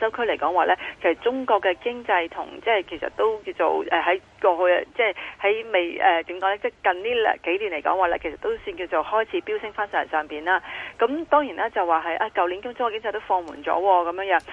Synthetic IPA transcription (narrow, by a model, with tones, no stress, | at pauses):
sɐ˥wkʰɵ˥le˨˩jkɔː˨˦˥ŋwaː˨˧lɛː˥kʰe˨˩sɐ˨˩t̚t͡sʊ˥ŋkɔː˧kːɛː˧kɪ˥ŋt͡sɐ˧jt̪ʰʊ̰˨˩ŋt͡sɛː˥˩kʰe˨˩jsɐ̰˨t̚t̪o˥wkiː˧wt͡so̰˨˩wʔɛː˨ɦɐ˨˥j | kɔː˧hɵ˧jt͡sɛː˥˩hɐ˨˥jme˨jʔɛː˨˩t̪i˨˥mkɔː˨˧˥lɛː˥t͡sɛː˥˩kɐ˨nt̪iː˥l̰ke˨˥jliː˨˩nle˨˩jkɔ̰ː˨˥ŋwaː˨lɛː˥kʰe˨˩sɐ˨˩t̪o˥wsyː˧nki˧wt͡so˨whɔː˥jt͡sʰiː˨˥piː˥wsɪ˥ŋfaː˥nsaː˨˩jɐ̰˨˩nsœː˨˩ŋpiː˨˩naː˥kɐ˨˦˥mt̪ɔː˥ŋjiː˨˩nʔaː˦˥t͡sɐ˨wːaː˨ɦɐ˨jʔaː˧kɐ˨wliː˨˥nkʊ˥ŋt͡sʊ˥ŋː˥˧kɪ˥ŋt͡sɐ˧jt̪o˥wfɔː˧ŋmṵː˨˩nt͡sɔ̰ː˨˥wɔː˧kɐ˨˦mjœː˨˧ŋjœː˨˦ŋ